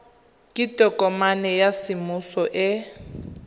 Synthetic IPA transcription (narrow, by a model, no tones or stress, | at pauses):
kʼitʼɔkʼɔmanɛjasimusɔʔɪ